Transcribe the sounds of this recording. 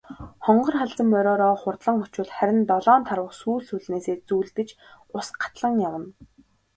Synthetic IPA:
χɔɴɢɞ̆rχaɮt͡sə̆mːœɾʲɔːɾɔːχʊrt̪ɮə̆ŋɔt͡ɕʊ̆ɮχæɾʲɪ̆nt̪ɔɮɔːnt̪ʰaɾwə̆χsuːɮsuɮneːseːt͡suːɮt̪ɘ̆t͡ɕ | ʊsɢḁt̪ɮə̆ŋjamə̆n

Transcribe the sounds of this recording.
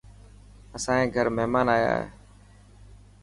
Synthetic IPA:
əsãːẽːɡʱəɾməɦmaːnaːja̰ːɦḛː

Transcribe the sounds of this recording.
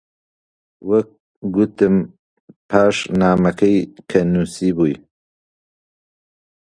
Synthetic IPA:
wɐk̚ | ɡut̪ɨm | pʰaːʃnaːmɐkʰɐjkʰɐnuːsiːbuːj

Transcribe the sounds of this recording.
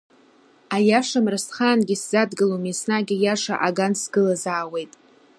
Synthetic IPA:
ajaʂamrasχaːnɡʲiszadɡɨlomisnaɡʲijaʂa̰ʔaɡansɡɨlazaːwe̞jtʼ

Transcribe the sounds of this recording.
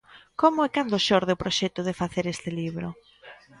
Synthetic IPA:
komʊɛkand̪ʊʃoɾðeopɾoʃɛt̪ʊðefaθeɾest̪ɪliβɾʊ

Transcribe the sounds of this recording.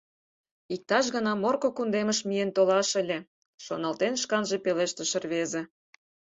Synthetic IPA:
ik̚t̪ɑʃ̬ɣənɑmorkokund̪emə̆ʃmient̪olɑʃə̆lʲe | ʃonɑlt̪enʃkɑnʒepeleʃt̪ə̆ʃə̆rβezĕ

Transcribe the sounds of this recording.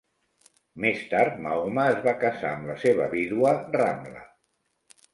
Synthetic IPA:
mest̪aɾt̪mauməəːzβakəsaːmləseβ̞ə̰βiðuəra̰mblə̰

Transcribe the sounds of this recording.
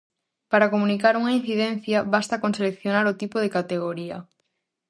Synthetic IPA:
paɾakomũnikaɾuŋain̟θiðen̟θjaβast̪akonselekθjonaɾot̪ipoð̞ekat̪eɣ̞oɾiɐ̰

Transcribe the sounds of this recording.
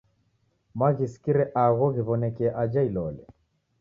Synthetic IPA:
maɣisi̥kiɾɛʔaɣɔɣiβɔnɛkɛʔad͡ʒailɔlɛ

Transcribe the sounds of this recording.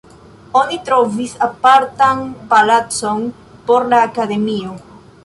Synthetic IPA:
onit̪ɾofisapaɾt̪aŋpalat̪soŋ | poɾlaːkaðemio

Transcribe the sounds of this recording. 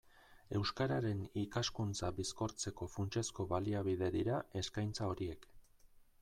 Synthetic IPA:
e̞wskaɾaɾe̞nikaskunt͡saβisko̞ɾt͡se̞ko̞funt͡ʃe̞sko̞βaliaβ̞ið̞e̞ðiɾae̞skajnt͡sao̞ɾie̞k

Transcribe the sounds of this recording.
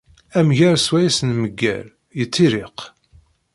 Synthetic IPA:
æmʝaɾswæjæsənməɡːæ̰l | jət͡sːiɾɪq

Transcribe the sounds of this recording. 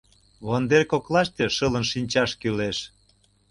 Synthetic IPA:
βond̪erkoklɑʃt̪eʃɤ̆lə̆nʃinʲt͡ɕɑʃkyleʃ

